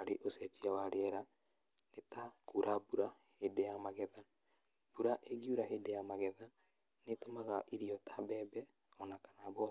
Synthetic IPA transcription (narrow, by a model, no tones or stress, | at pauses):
aɾeʔosɛt͡ʃiawaɾeɛɾa | netakuɾabuɾa | hedɛjamaɣɛða | b̥uɾaʔeɡiuɾaɦedɛjamaɣɛða | netomaɣaʔiɾiɔtʰabɛːbɛ | ɔnakḁnaβɔ